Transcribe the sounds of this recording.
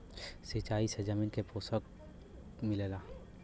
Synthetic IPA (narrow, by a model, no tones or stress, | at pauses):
sit͡ʃaːised͡ʒamɪnkepoːsək̚ | mɪlelaː